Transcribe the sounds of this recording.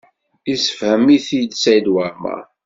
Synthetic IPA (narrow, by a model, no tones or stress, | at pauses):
isə̥fhəmːiθid̪sæjd̪wæɾmæ̰